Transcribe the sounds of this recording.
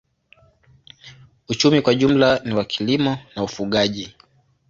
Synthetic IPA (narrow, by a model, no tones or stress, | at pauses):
ut͡ʃumikwaʄum̩laniwakʰilimɔnaufuɠaʄi